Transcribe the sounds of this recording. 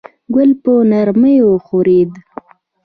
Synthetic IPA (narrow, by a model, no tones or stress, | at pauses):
ɡʊlpənaɾməjoxoɾed̪